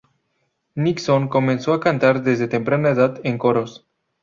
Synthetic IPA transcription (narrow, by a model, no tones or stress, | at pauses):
niksoŋkomẽnsoakant̪aɾðezðet̪empɾanaeðat̪eŋkoɾos